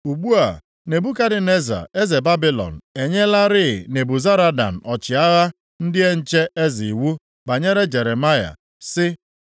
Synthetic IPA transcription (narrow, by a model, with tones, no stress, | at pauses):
u˨ɡ͡bu˦a̰˨ | ne˨bu˦ka˦dɪ˨ne˦za̰˨e˦ze˨ba˦bɪ˦lɔ̰˨n̩˨e˨ɲe˦la˦ɾɪ˦˨ne˨bu˨za˦ɾa˦da̰˨n̩˨ʔɔ˨t͡ʃɪ˨a˦ɣa˦ | n̩˦dɪ˦e˦n̩˦t͡ʃe˦ʔe˦zi˨wu˦ | ba˨ɲe˦ɾe˦d͡ʒe˨ɾe˨ma˦ja̰˨ | sɪ˦